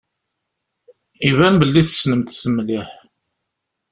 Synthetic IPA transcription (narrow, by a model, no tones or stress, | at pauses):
ivænbəlːiθə̥snəmt̪səmːliħ